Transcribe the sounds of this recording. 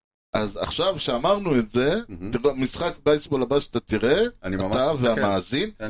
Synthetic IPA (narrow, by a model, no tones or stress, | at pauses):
ʔaza̰χʃavʃeamaʁnuetze̞tiʁmisχakbajsbolabaʃat̪at̪iʁeaniataveamaːzin